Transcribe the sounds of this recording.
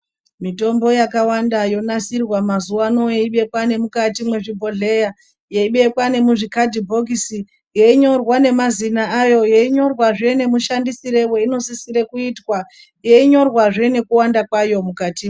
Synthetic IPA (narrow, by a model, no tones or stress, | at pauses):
mito̞mbo̞jakawandajo̞nasirwamazuwano̞jeiɓe̞kwane̞mukatimwe̞ʐibʱo̞ɮe̞ja | je̞iɓe̞kwane̞muʐikadʱibʱo̞ɡʱisi | jeiɲo̞rwane̞mazinaːjo̞je̞iɲo̞rwaʐene̞muʃandisiɾe̞we̞ino̞sisiɾe̞kuitwa | je̞iɲo̞rwaʐene̞kuwandakwajo̞mukati